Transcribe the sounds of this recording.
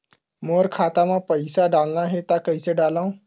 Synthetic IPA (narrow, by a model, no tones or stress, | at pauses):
moɾkʰat̪amãpəjsaɖalnaɦet̪akəjseɖalãw